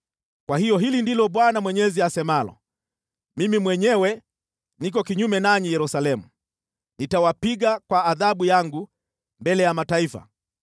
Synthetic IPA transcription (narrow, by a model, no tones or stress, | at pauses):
kwahijɔɦilindilɔɓwanamwɛɲɛziasɛmalɔ̰ | mimimwɛɲɛwɛ | nik̬ɔkiɲumɛnaɲijɛɾusalɛmu | nitawapiɡakwaːðaɓujaŋɡu | mbɛlɛjamataifa̰